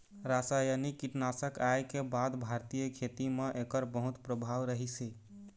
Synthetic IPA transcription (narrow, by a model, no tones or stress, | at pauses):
ɾasajənikiʈnasəkajkebad̪bʱaɾt̪ijəkʰet̪imeʔekəɾbəɦut̪pɾəbʱaʋɾəɦisi